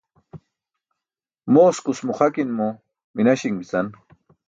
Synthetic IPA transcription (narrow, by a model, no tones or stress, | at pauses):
moskʊsmʊχakinmʊ | minaʃiŋbit͡san